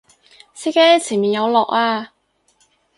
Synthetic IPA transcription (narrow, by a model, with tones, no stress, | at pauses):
sʰiː˥ke˥t͡sʰiː˨˩nmiː˨˩njɐ˨˧wlɔː˨k̚aː˧